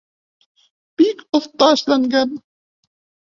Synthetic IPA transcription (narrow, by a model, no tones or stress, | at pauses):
b̥ikoθt̪ˤːɑːʃlæŋɡæn